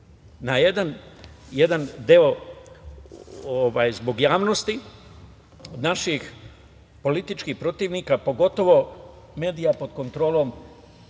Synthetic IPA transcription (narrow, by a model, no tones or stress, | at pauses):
najed̪anjed̪and̪eo̞ | oʋaːjzbo̞ɡjaːʋnost̪i | naʃix | po̞lit̪it͡ʃkihpɾo̞t̪iːʋniːkapo̞ɡo̞t̪o̞ʋo̞ | me̞ːd̪ijapo̞d̪ko̞nt̪ɾo̞ːlˠo̞m